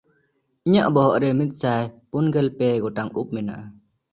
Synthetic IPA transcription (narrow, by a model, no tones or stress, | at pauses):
iɲaʔbɔɦɔʔɾɛmit̪̚ˀsajpunɡɛlpɛɡɔʈaŋup̚mɛna̰ʔa